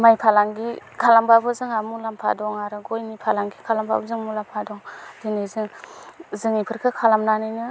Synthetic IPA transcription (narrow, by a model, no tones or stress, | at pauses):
majpʰalaŋɡikʰalambabɯzɯŋamulampʰa̰dɔŋaɾɯɡojnipʰalaŋɡikʰalampʰa̰bɯzɯŋmulampʰadɔŋdinizɯŋzɯŋipʰɯɾkʰɯkʰalamnanɯjnɯ